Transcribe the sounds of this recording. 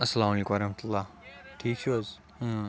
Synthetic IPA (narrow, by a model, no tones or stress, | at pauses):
ɐsːɐlaːmɐleːkũmɐɾɐhmət̪ulːaːʈʰiːk̚t͡ʃʰuɐz